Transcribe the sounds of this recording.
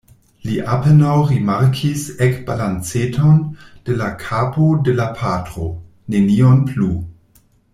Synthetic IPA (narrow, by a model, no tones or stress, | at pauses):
liʔapenawɾimaɾkʰisekb̥alant͡setʰond̥elakʰaːpodelapʰatʁo | nenionplu